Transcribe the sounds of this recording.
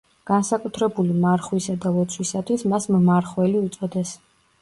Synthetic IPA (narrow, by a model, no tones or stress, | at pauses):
ɡ̥ansakʼut̪ʰɾɛbulimaɾχwisad̪avɔt̪sʰwisat̪ʰwismasmmaɾχwɛliut̪sʼɔd̪ɛs